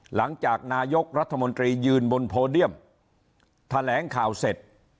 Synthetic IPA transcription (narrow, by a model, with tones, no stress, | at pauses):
la˩˦ŋt͡ɕaː˨˩k̚naː˧jo˦˥k̚ɾa˦˥t̪ʰːa˧mo˧nt̪ɾiː˧jɯː˧nbo˧npʰoː˧li˥˩əm | t̪ʰa˧lɛː˩˦ŋkʰaː˨˩wse˨˩t̪̚